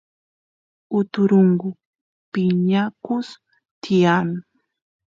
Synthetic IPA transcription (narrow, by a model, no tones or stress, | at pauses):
ʊt̪ʊɾoŋɢʊ | pɪɲakʊs | t̪ijan